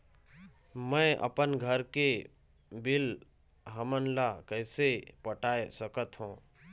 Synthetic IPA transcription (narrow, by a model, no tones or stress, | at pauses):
mɛ̃ʔə̰pənɡʱəɾke | bɪl | ɦəmənlakəːsepəʈaːesəkət̪ɦũː